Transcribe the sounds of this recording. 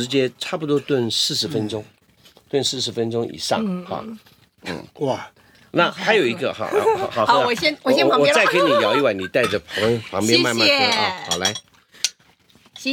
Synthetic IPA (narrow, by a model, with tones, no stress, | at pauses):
ɻ̩˧˥t͡ɕjɛ˥ʈ͡ʂʰa˥˩pu˧˩t̪wɔ˥t̪wə˥˧nsɹ̩˥˩ʂɻ̩˧˥fə˥nʈ͡ʂʊ˥ŋ | t̪wə˥˧nʂɹ̩˥˩ʂɻ̩˧˥fə˥nʈ͡ʂʊ˥ŋʔḭ˨˩ʂɑ̰˥˩ŋxɑ̰˧˩ | n̩˥˩wa˥˨˩ | na˥˩xa˧˥ɪjo˨˩ʊi˧˥ɡə˧xɑ̰˧˩˨xɑ˨˩xɕɛ˥wɔ˨˩ɛ˥˧wɔ˨˥t͡sa˥˩ɪke˥ɪ˥˧ni˨˩jɑ˨˩ʊi˥˧wa˥˩ɪni˨˩t̪a˥˩ɪʈ͡ʂə˩pʰɑ˧˥ŋpʰɑ˧˥ŋpjɛ̃˥n˥ma˥˧nma˥˧˥ɑ˥˩xɑ̰˨˩la˧˥ɪ